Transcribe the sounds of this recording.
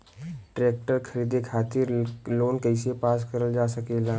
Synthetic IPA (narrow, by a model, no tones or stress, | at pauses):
ʈɾeːk̚ʈəɾkʰɐɾiːd̪ekʰaːt̪ɪɾloːnkəɪsepaːskəɾəld͡ʒaːsɐkelaː